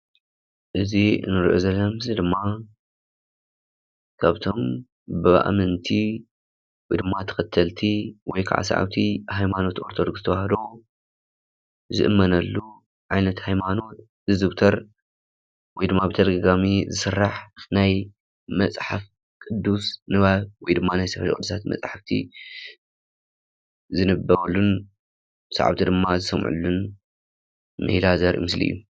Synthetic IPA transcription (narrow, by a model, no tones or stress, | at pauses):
ʔɨzḭnɨɾiʔozɐlːɐmɨzid̪ɨmːa | kʰaβt̪ʰo̞m | bɨβa̰ʔa̰mɨnt̪ʰi | wɔjd̪ɨmːat̪ʰɐ̥xɐt̪ʰːɐlt̪ʰiwɔjkʰa̰ʕa̰sa̰ʕa̰wt̪ʰihajmano̞t̪ʔoɾt̪ʰod̪okz̥ɨt̪ʰɐβahɐlo | zɨ̰ʔɨ̰mːɐnɐlːu | ʕajnɐt̪hajmano̞t̪ | ɨzɨβt̪ʰɐɾ | wɔjd̪ɨmːabɨt̪ʰɐd̪ɐɡaɡamizɨsɨrːaħnaj | mɐt͡sʼħaf | kʼɨd̪ːusnɨβaβwɔjd̪ɨmːanajsɐfɐlkʼɨd̪usʰat̪mɐ̰t͡sʼħaft̪ʰḭ | zɨnɨbːɐɾulːun | sa̰ʕa̰βt̪ʰid̪ɨmːazɨsɐmʕṵlːun | mɨ̰hlazɐɾʔmɨslḭjːu